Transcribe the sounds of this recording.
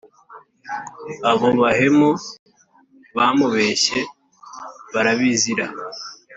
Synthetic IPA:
aβoβaɦe̞mo | βamuβe̞ɕe̞ | βaɾaβiziɾa

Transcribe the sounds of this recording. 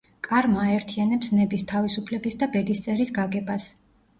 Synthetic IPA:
kʼaɾmaːɛɾt̪ʰianɛpsnɛbist̪ʰavisupʰlɛbisd̪abɛd̪ist̪sʼɛɾisɡaɡɛbas

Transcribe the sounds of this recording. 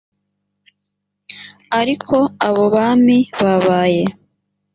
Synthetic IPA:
aɾikʰo̞aβo̞βaːmiβaβaːje̞

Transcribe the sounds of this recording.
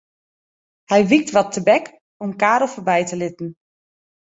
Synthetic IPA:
hɛjʋik̚tʋɔtʰːəbɛk | omkaːɾəlˠfobɛjtəlɪtn̩

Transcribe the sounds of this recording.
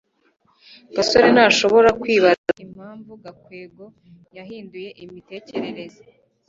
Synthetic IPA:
ɡ̥asoɾenaːʃo̞βo̞ɾakwiːβaaim̥haːɱvuɡakweːɡo̞ | jaɦiːnduje̞ʔimite̞ːce̞ɾe̞ɾe̞za

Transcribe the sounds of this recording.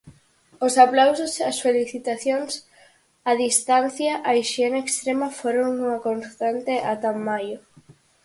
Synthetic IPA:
osaplawsosasfeliθit̪aθjons | aðist̪an̟θjaʔaiʃienaekst̪ɾemafoɾoŋuŋɐkonst̪ant̪eʔat̪amːajo

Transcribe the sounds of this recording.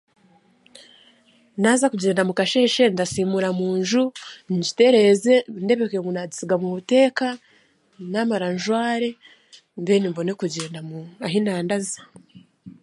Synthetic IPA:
naːzakuɟe̞ːndamukaʃeʃe̞ndasiːmuɾamuːnʒuɲɟi̥te̞ɾe̞ze̞nde̞βekeŋɡunazisiɡamumute̞ːka | namaɾanʒwaːɾe̞ | mbeːnimbo̞ne̞kuɟeːndamuaɦinaːndazḁ

